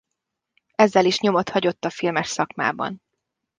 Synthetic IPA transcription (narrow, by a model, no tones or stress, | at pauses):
ɛzːɛliʃɲo̞mo̞t̪hɒɟo̞t̪ːɒfilmɛʃsɒkma̰ːbɒ̰n